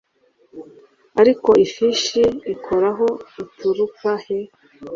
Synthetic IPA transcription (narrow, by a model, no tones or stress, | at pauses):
aɾiko̞ifiʃiːkʰo̞ɾaɦo̞ituɾukahe